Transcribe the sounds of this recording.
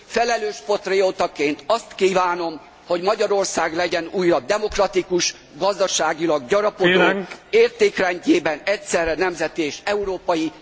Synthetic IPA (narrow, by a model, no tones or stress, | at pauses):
fɛlɛløːʃpo̞t̪reoːt̪ɒkeːnt̪ɒst̪kiːvaːno̞m | ho̞ɟmɒɟɒɾo̞rsaːɡlɛɟɛnuːjrɒd̪ɛmo̞krɒt̪ikuʃ | ɡɒzd̪ɒʃaːɡilɒɡɟɒɾɒpod̪oeːrt̪eːkrɛɲɟeːbɛnɛcsɛrːɛnɛmzɛt̪ieːʃɛuɾoːpɒji